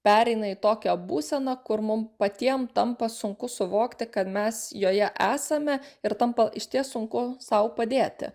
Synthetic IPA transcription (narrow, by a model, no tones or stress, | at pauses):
pʲæːɾʲɛɪnɐit̪oːkʲobuːsʲɛnɐkʊɾmʊmpɐt̪ʲiɛmt̪ɐmpɐsʊŋkʊsʊʋoːkt̪ʲɪkɐt̪mʲɛsjoːjɛʔæːsɐmʲɛɪɾt̪ɐmpɐʔɪʃʲt̪ʲiɛsʊŋkʊsɐʊpɐd̪ʲeːt̪ʲɪ̰